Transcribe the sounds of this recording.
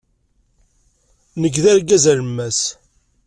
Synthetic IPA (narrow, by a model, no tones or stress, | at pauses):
nəɡðæɾɡæzæləmːæs